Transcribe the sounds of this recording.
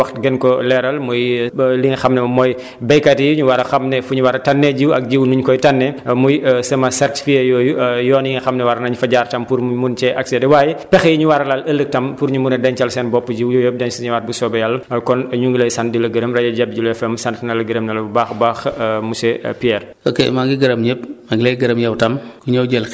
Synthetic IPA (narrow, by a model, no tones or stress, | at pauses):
wɐxtɡɛnkɔlɛɾɐlmujliŋɐxɐmnɛmɔj | bɛjkɐtijɲuwɐɾɐxɐmnɛfuɲuwɐɾɐtɐnːeɟiwɐ̰k̚d͡ʒiwnuɲkɔjtanːɛmujsɐmɐsɛrti̥fikejɔːjujɔːniŋɐxɐmnɛwaɾɐnɐɲufɐɟartɐmpuɾmunt͡ʃɛʔɐksɛdɛwaːjɛpɛxɛjiɲuwaɾɐlaləlːək̚tɐmpuɾɲumunɛdɐɲt͡ʃɐlsɛnbɔpːəɟiwjujəp̚dɛɲsɲuwaːt̚busɔːbɐjalːɐkɔnɲuŋɡilɐjsɐntdilɐɡəɾəmɾɐjɐɟɛb̚d͡ʒulɛfɛmsɐntnɐlɐɡəɾəmnɐlɐbaxbaːxmusɛpiɛɾʔo̰kḛmaŋɡiɡɐɾɐmɲɛpmaŋɡilɐjɡɐɾɐmjɛwtɐmkuɲɐwɟɛl